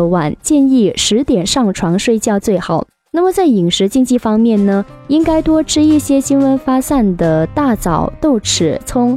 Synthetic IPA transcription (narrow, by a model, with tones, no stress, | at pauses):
wa˨˩nt͡ɕjɛ˥˧ni˥˩ʂɻ̩˧˥t̪jɛ˨˩nʂɑ˥˩ŋʈ͡ʂʰwɑ˧˥ŋʂwe˥˧ɪt͡ɕjɑ˥˧ʊt͡swe˥˩ɪxɑ˨˩˦ʊ | na˥˩mə˩t͡sa˥˩ɪi˨˩ŋʂɻ̩˧˥t͡ɕi˥˧ŋt͡ɕi˥˩fɑ˥ŋmjɛ˥˩nnə˩ | i˥ŋka˥ɪt̪wɔ˥ʈ͡ʂʰɻ̩˥i˥˩ɕjɛ˥ɕi˥nwə˧˥nfa˥sa˥˩nd̪ə˩t̪a˥˩t͡sɑ˨˩˦ʊt̪o˥˩ʊʈ͡ʂʰɻ̩˨˩˦t͡sʰʊ˥ŋ